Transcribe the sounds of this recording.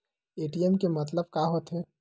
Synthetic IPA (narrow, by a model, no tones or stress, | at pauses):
eːʈiɛmkemɐt̪̬ləb̚kaːɦoːt̪ɦɛː